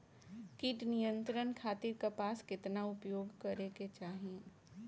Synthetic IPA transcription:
kiːʈnijə̃nt̪ɾənkʰaːt̪iɾkapaːskɪt̪naʊpjoːɡkɐɾeket͡ʃaːɦiẽ

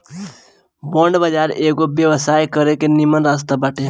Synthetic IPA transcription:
bɔ̃ːɳɖbəd͡ʒaːɾeːɡobjəwsaːjkəɾekenimənɾaːst̪abaːʈe

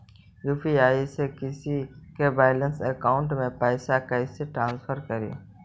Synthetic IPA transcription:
juːpʰiaːisekɪsikebaːɪlənsəkaːʊ̃ɳʈmẽpaːɪsakaɪseʈɾãːnsfʰəɾkəɾḭː

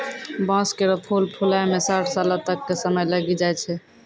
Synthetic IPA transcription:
bãskeɾopʰulpʰulajmesaʈʰsalat̪əkːesəməjləɡid͡ʒajt͡ʃʰɛ

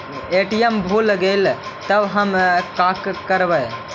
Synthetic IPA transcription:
eʈijembʱulɡelt̪əbɦəmkakkəɾbəj

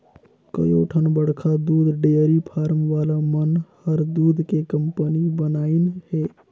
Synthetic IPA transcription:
kə̰jo̰ʈʰənbəɽkʰad̪uːd̪ʱɖeəɾipʰaːɾmʋalamənhəɾd̪uːd̪ʱkekəmpənibənaːɪnhe

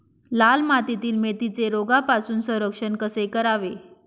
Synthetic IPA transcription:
lalmat̪it̪iːlmet̪it͡seɾoɡapasuːnsə̃ɾəkʂənkəsekəɾaʋe

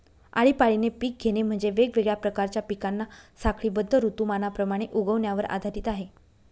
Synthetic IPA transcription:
a̰ɭipaɭinepiːk̚ɡʱenem̤əɳd͡zeʋeɡʋeɡɭjapɾəkaɾt͡ɕjapikanːasakɭiːbəd̪ʱːəɾut̪umanapɾəmaɽ̃eʔuɡəʋnjaʋəɾa̰d̪ʱaɾiːt̪aɦe

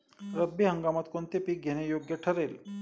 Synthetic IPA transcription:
ɾəbːiɦəŋɡamət̪kont̪epik̚ɡʱenejoɡjəʈʰəɾeːl

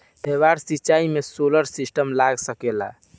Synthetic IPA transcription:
b̪ʱebaɾsit͡ʃaimesoləɾsisʈəmlaɡsəkela̰

